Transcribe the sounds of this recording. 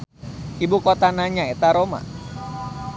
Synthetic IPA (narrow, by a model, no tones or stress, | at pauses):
ʔibukot̪anaɲaet̪aɾoma̰